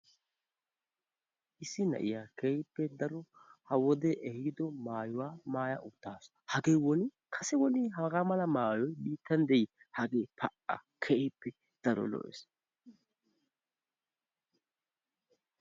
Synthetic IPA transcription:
ʔɪsːɪnɐ̰ʔɪjaːkɛɪpːɛd̪ɐɾɔhɐwɔd̪ɛʔɛhɪd̪ɔmaːjʊwaːmaːjɐ̰ʔʊt̪ːaːs | hɐɡeːwɔnɪ | kʰɐsɛwɔnɪɦɐɡamɐlɐmaːjɔjbiːt̪ːɐnd̪ɛjɪ | hɐɡeːpʰɐʔɐ̰ | kʰɛɪpːɛ | d̪̥ɐɾɔ̰lɔ̰ʔɛ̰s

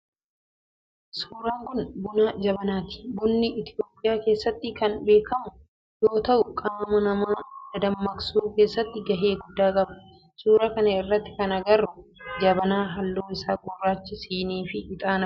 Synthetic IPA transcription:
suːɾaːŋkʊnbʊnad͡ʒɐbɐnaːt̪ɪ̥bʊnːɪʔɪt̪ɪjo̞ːpʼɪjaːke̞ːsːɐt̪ːɪkɐnbe̞ːkɐmʊ | jo̞ːt̪ɐʔʊkʼaːmɐnɐmaːd̪ɐd̪ɐmːɐksuːke̞ːsːɐt̪ːɪɡɐɦe̞ːɡʊd̪ːaːkʼɐbɐ̥ | suːɾɐkɐnɐɪrːɐt̪ːɪ̥kɐnɐɡɐrːʊd͡ʒɐbɐnaːɦɐlːoːɪsaːɡʼɔrːaːt͡ʃːɪsiːniːfɪɪt̪ʼaːnɐ

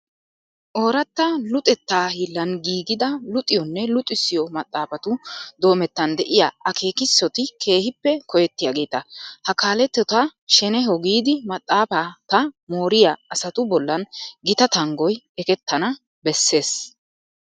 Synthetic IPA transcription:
ʔo̞ːɾɐt̪ːɐlʊt̪ʼɛt̪ːaːhɪlːɐnɡiːɡɪd̪ɐlʊt̪ʼːɪjɔnːɛlʊt̪ʼːɪsːɪjɔmɐt̪ʼːaːfɐt̪ʊd̪o̞ːmɛt̪ːɐnd̪ɛʔɪjaːɐkʰe̞ːkɪsːɔt̪ɪkʰe̞ːhɪpːɛkʰɔjɛt̪ːɪjaːɡe̞ːt̪ɐhɐkaːlɛt̪ːɔt̪aʃɛnɛɦɔɡiːd̪ɪmɐt̪ʼːaːfat̪ɐmo̞ːɾɪjaɐsɐt̪ʊbɔlːɐnɡɪt̪ɐt̪ɐŋɡɔj | ɛkɛt̪ːɐnɐ | bɛsːe̞ːs

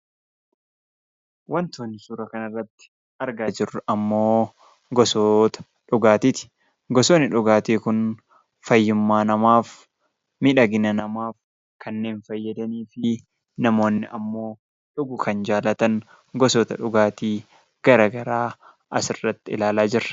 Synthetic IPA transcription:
wɐnt̪oːnːɪsuːɾɐkɐnɐrːɐt̪ːɪ̥ | ɐɾɡaːd͡ʒɪrːʊʔɐmːo̞ː | ɡɔsoːt̪ɐ̥ | ᶑʊɡaːt̪it̪ɪ̥ | ɡɔsoːnːɪᶑʊɡaːt̪eːkʊn | fɐjːʊmːaːnɐmaːf | mɪᶑɐɡɪnɐnɐmaːf | kɐnːe̞ːnfɐjːɐd̪ɐniːfɪ | nɐmo̞ːnːɪʔɐmːo̞ː | ᶑʊɡʊkɐnd͡ʒaːlɐt̪ɐŋ | ɡɔsɔːt̪ɐ̰ᶑʊɡaːt̪iː | ɡ̥ɐɾɐɡɐɾaː | ʔɐsɪrːɐt̪ːɪɪlaːlaːd͡ʒɪɾɐ̥

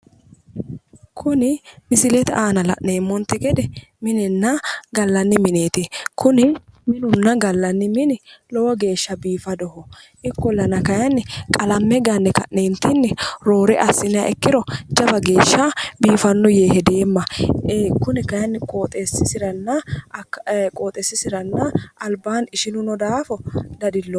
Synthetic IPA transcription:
kʰʊnɪmɪsɪlɛt̪aːnɐlɐ̰ʔneːmːɔnt̪ːɛkɛd̪ɛ | mɪnɛnːɐɡɐlːɐnːɪmɪneːt̪eːkʰʊnɪmɪnʊnːɐɡɐlːɐnːɪmɪnɪlɔwɔɡe̞ːʃːɐbiːfɐd̪ɔhɔʔɪkːɔlɐnɐkɐjɐnːɪkʼɐlɐmːɛɡɐnːɛkɐ̰ʔneːnt̪ɪnːɪɾo̞ːɾɛʔɐsːɪnɪja̰ʔɛkːɪɾɔd͡ʒɐbɐɡe̞ːʃːɐbiːfɐnːʊjeːhɛd̪e̞ːmːɐ | kʊnɪkɐjɐnːkʼoːt̪ʼesːɪsɪɾɐnːɐ | kʼoːt̪ʼɛsːɪsɪɾɐnːɐɐlbaːnɪʃɪnʊnɔd̪aːfɔd̪ɐd̪ɪlːɔ

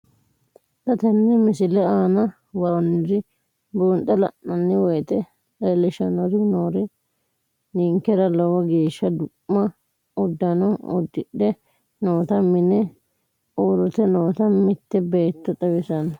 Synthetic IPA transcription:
t̪ɐt̪ɛnːɪmɪsɪlɛaːnɐ | wɐɾɔnːɪɾɪ | boːnt̪ːɐlɐ̰ʔːɐnːɪwɔjt̪ɛ | ɛlɪʃɐnɔɾɪnoːɾɪ | niŋkɛɾɐlɔwɐɡeːʃːɐd̪ʊʔmɐ | ɔd̪ːɐnɔɔ̰d̪ːɪᶑɛ | noːt̪ɐmɪnɛ | ʔoːɾɔt̪ɛnoːt̪ɐmɪt̪ːɛbeːt̪ːɔt̪ʼɐwɪsɐn

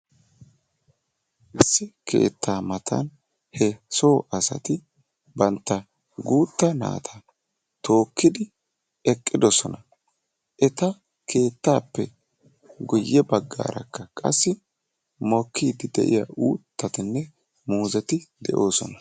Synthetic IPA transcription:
ʔɪsːɪkʰḛːt̪ːaːmɐt̪ʰɐ̰n | hɛso̞ːʔɐsɐ̰t̪ɪ | bɐnt̪ːɐ | ɡuːt̪ːɐna̰ːt̪ʰɐ | t̪o̞ːkːɪd̪ɪ | ɛkʼːɪd̪ɔsɔnɐ | ʔɛt̪ɐ | kʰe̞ːt̪ːaːpːɛ | ɡʊjːɛbɐɡːa̰ːɾɐ̰kːɐkʼɐ̰sːɪ | mɔkːiːd̪ɪd̪ɛ̰ʔɪ̰ja̰ʔuːt̪ːɐt̪ɪnːɛ | muːzɛt̪ɪd̪ɛʔo̞ːsɔnɐ

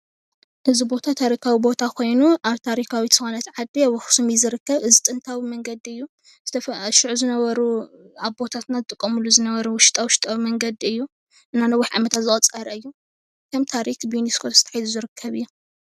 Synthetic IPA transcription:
ʔɨzibo̞t̪ʰat̪ʰaɾikʰawibo̞t̪ʰakʰo̞jnuʔaβt̪ʰaɾikʰawit̪ɨxonɐt̪ʕad̪ewɔxsumizɨɾɨkʰːɐβɨzit̪ʼɨnt̪ʰawimɐŋɡɐd̪iɨjːu | z̥ɨt̪ʰɐfʃɪʕuzɨnɐβɐɾu | aβbo̞t̪ʰat̪nazɨt̪ʼɨkʼːɐmulːuzɨnɐβɐɾuwʊʃɪ̥t̪ʼawʊʃɪ̥t̪ʼawimɐŋɡɐd̪iɨjːu | ʔɨnːanɐwːiħʕa̰mɐt̪ʰat̪zɨχʼɐt͡sʼɐɾɐɨjːu | kʰɐmt̪ʰaɾikbɨjuniskʰot̪z̥ɨt̪ʰɐ̥ħjzuzɨɾɨkʰːɐβɨjːu

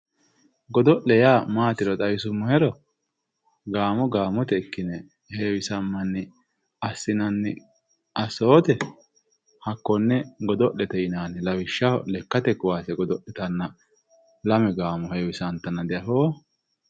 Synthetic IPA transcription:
ɡɔd̪ɔʔɛjaːmaːt̪ɪɾɔt̪ʼɐwɪsʊmːɔhɛɾɔ | ɡaːmɔɡaːmɔt̪ɛkːɪnɛ | heːwɪsɐmːɐnːɛ | ɐsːɪnɐnːɛ | ʔɐsoːt̪ɛ | hɐkːɔnːɛɡɔd̪ɔʔːɛt̪ɛɪnaːnɛlɐwɪʃːalɛkːɐt̪ɛkʊwaːsɛɡɔd̪ɔʔɛt̪ɐnːɐ | lɐmɛɡaːmɔheːwɪsɐnt̪ːɐnɐd̪ɛjɐɦoː

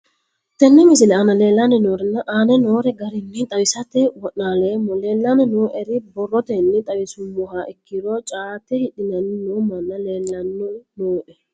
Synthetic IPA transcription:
t̪ːɛnːɛmɪsɪlɛɐnɐleːlːɐnɛnoːɾɛnːɐʔaːnɛnoːɾɛɡɐɾɪnːɛt̪ʼɐwɪsɐt̪ɛwɔʔnaːleːmːɔle̞ːlːɐnɛnoːʔɛɾɪbɔrːɔt̪ɛnːɛt̪ʼɐwɪsʊmːɔɦaːʔɪkːɪɾɔt͡ʃʼaːt̪ɛhɪɗɪnɐnːɪnuːmɐnːɐleːlːɐnːɔnoːʔɛ

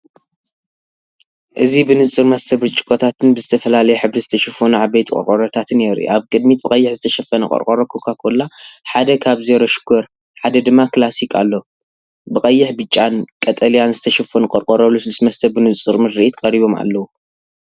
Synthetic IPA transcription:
ʔɨzibɨnɨt͡sʼɨɾmɐst̪ʰɐβɾɨt͡ʃʼːɪ̥kʼot̪ʰat̪ʰɨnbɨzɨt̪ʰɐfɐlalɐjɛħɨβɾɨzɨt̪ʰɐʃɐfonuʕabɐjt̪ʰkʼɔ̰ɾkʼoɾɐt̪ʰat̪ʰɨneɾṵʔaβkʼɨd̪mit̪̚bɨkʼɐjːɪħzɨt̪ʰɐʃɐfːɐnɐkʼɐ̰ɾkʼoɾɐkʰokʰakʰolːaħad̪ɐkʰaβzeɾoʃɨ̥ɡoɾ | ħad̪ɐd̪ɨmːaklasikʰʼa̰lːo | bɨkʼɐjːɪħbɨt͡ʃʼːankʼɐt̪ʼɐlijanzɨt̪ʰɐʃɐfonukʼɐɾkʼoɾɐlusɨlɨsmɐst̪ʰɐbɨnɨt͡sʼɨɾmɨd̪ɾiʔit̪kʼɐɾiβo̞ma̰lːɐwu

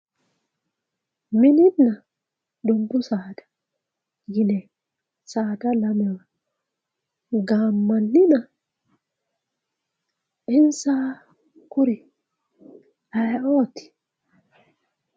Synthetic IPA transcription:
mɪnɪnːɐ | d̪ɔbʊsaːd̪ḁ | jɪnɛ | saːd̪ɐlɐmɛwa | ɡaːmːɐnːɪna | ɪnsaː | kʊɾi | ʔaʔoːt̪ɪ̥

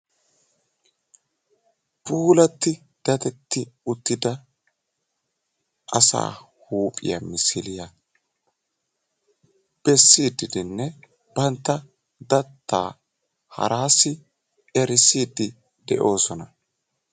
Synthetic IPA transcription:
pʼuːlɐt̪ːɪ | d̪̥ɐt̪ɛt̪ːɪʊt̪ːɪd̪ɐ | ʔɐsa̰ː | huːpʼɪ̰jɐ̰mɪsɪlɪjɐ | b̥ɛsːiːd̪ɪd̪ɪnːɛ | bɐnt̪ːɐ | d̪ɐt̪ːa̰ː | hɐ̰ɾaːsɪ | ɛɾɪsːiːd̪ːɪ | d̪ɛʔo̞ːsɔnɐ

